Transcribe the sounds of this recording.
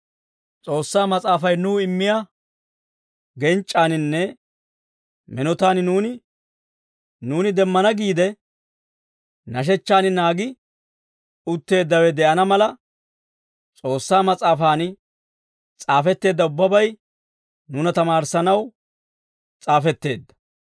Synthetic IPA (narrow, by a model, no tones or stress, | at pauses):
t͡sʼo̞ːsːaːmɐt͡sʼaːfɐjnuːɪmːɪja | ɡɛnt͡ʃʼːaːnɪnːɛ | mɛnɔt̪aːnnuːnɪ | nuːnɪd̪ɛmːɐnɐɡiːd̪ɛ | nɐʃ̬ɛt͡ʃːaːnɪnaːɡɪ | ʊt̪ːe̞ːd̪ːɐwɛd̪ɛʔɐnɐmɐlɐ | t͡sʼo̞ːsːaːmɐt͡sʼaːfaːnɪ | t͡sʼaːfɛt̪ːe̞ːd̪ːɐʊbːɐbɐj | nʊnɐt̪ɐmaːɾsɐnɐw | t͡sʼaːfɛt̪ːe̞ːd̪ːɐ̥